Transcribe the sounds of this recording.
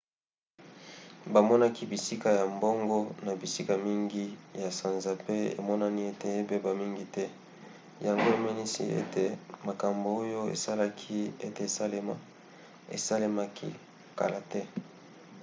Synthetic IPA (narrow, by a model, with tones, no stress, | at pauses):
ba˨mɔ˦na˦ki˦bi˨si˦ka˦ja˨mbo˦ŋɡo˦na˨bi˨si˦ka˨mi˦ŋɡi˦ja˨sã˨nza˨pe˦ḛ˨mɔ˦na˦ni˦e˦te˨e˦be˦ba˨mi˦ŋɡi˦tɛ˦ | ja˨ŋɡo˦e˨mɛ˦ni˦sḭ˦ḛ˦te˨ma˨ka˨mbo˨o˦jo˦ḛ˨sa˦la˦kʰi˦ḛ˦te˨e˨sa˦le˦ma˦ | ḛ˨sa˦le˦ma˦kʰḭ˦˨ | ka̰˨la˨tɛ˦